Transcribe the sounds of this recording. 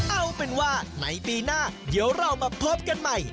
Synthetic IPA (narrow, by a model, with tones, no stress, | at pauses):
ʔa˧˩wpe˧nwaː˥˩na˩˦jpiː˧naː˥˩diː˩˦əwɾa˧˩wmaː˧p̪ʰo˦˥p̚ka˧nma˥˩j